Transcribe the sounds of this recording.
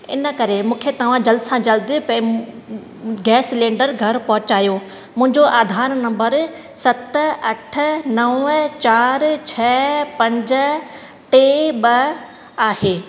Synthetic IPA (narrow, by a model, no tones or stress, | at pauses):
ɪ̰nə̆kɐɾemũːkʰet̪ɐʋ̤ãd͡ʑɐld̪sãd͡ʑɐld̪ipɐ̃ | ɡɛːslẽːɳɖəɾɡʱɐɾpɐɦʊt͡ɕaːjo | mʊ̃ɦɪ̃ɲd͡ʑoʔaːd̪ʱaːɾnɐ̃mbəɾ | sɐt̪ɐʈʰʊ̆nɐʋt͡ɕaːɾt͡ɕʰɐpɐ̃ɲd͡ʑə | ʈeːbɐ | aːɦeː